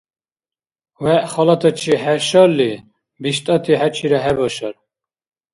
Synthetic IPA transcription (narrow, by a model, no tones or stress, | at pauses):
wɛʔχɔlat̪ʰɔt͡ʃʰiɦɛʃɔlːi | biʃt̪ʼɔt̪ʰiɦæt͡ʃʰiɾɔɦɛbɔʃɔɾ